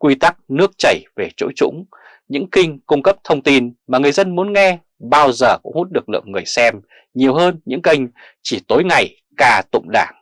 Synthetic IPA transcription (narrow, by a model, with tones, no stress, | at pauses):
kwi˧t̪a˦˥k̚nɨ˦˥ək̚t͡ɕə˧˩jve˨˩t͡ɕo̰˧˥jt͡ɕʊ̰˧˥ŋ͡m | ɲɨ̰˧˥ŋkï˧ŋ̟kʊ˧ŋ͡mkə˦˥p̚t̪ʰə˧wŋ͡mt̪i˧nmaː˨˩ŋɨ˨˩əjzə˧nmu˨˦ənŋɛ˧ | ɓaː˧wzəː˨˩kʊ̰˧˥ŋ͡mhu˦˥t̚ɗɨ˨˩ək̚lɨ̰˧˨əŋŋɨ˨˩əjsɛ˧m | ɲi˨˩əwɦəː˧nɲɨ̰˧˥ŋkə˧ŋ̟ | t͡ɕi˧˩t̪o˨˦jŋa˨˩j | kaː˨˩t̪ʊ̰˧˨ŋ͡mɗaː˧˩ŋ